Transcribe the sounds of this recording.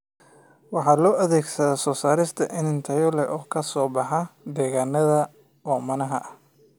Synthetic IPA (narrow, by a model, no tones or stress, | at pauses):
wɑħɑːlɔːʔɐðɛːɡsɐðaːsɔːsaːɾɪst̪ʰɐʔɪnɪnt̪ʰɐjɔlɛʔɔːkʰɐsɔːbɑħɑd̪ɛːɣaːnːɐðɐ | ɔːmɐnɐɦɐʔɐ